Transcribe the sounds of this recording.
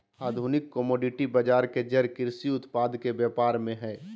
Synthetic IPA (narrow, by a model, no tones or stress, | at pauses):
aːd̪ʱunɪkːəmɔːɖɪʈibəd͡ʒaːɾked͡ʒəɾkɪɾsiʊt̪paːd̪kebjɛːpaːɾmẽɦɛː